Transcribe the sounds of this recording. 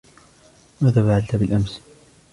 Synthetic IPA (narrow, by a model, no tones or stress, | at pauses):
maːðaːfaʕalt̪abɪlʔams